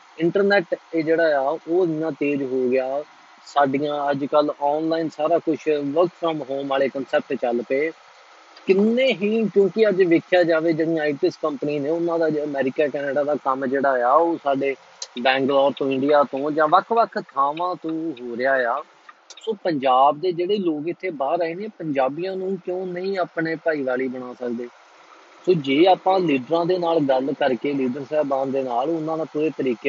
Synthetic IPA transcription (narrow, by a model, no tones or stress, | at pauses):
ɪɳʈəɾnɛːʈed͡ʒeːɽaːjaːoːd̪ɪnãːt̪eːd͡ʒɦoːɡɪjaː | saːɖijãːəd͡ʒkəlɔːnlaːiːnsaːɾaːkʊt͡ʃʰʋəkəmɦoːmaːɭeːkənsɛːp̚ʈt͡ʃəlpeː | kɪnːẽːɦiːkjõːkɪəd͡ʒʋɪkʰːjaːd͡ʒaːʋeːd͡ʒeɽĩãːiːʈɪskəmpəniːneːʊnãːd̪aːd͡ʒəmɛːɾɪkaːkɛːneːɖaːd̪aːkəmd͡ʒeːɽaːjaːoːsaːɖeː | bɛ̃ːŋɡlɔːɾt̪õːɪ̃ɳɖijaːt̪õːd͡ʒãːʋəkʰʋəkʰt̪ʰaːʋãːt̪õːɦoːɾɪjaːejaː | soːpəɲd͡ʒaːbd̪eːd͡ʒeːɽeːloːkɪt̪ʰːeːbaːɾaːiːneːpəɲd͡ʒaːbijãːnũːkjõːnəĩːaːpɳeːpaːiːʋaːliːbəɽ̃aːsəkd̪eː | soːd͡ʒeːaːpãːliːɖɾãːd̪eːnaːlɡəlkəɾkeːliːɖəɾsɛːbãːnd̪eːnaːlʊnːãːnaːpʊɾeːt̪əɾiːke